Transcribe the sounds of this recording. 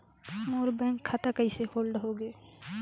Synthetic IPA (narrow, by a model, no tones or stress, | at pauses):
moɾbɛ̃ŋkʰːat̪akəɪsehoːlɖɦoɡe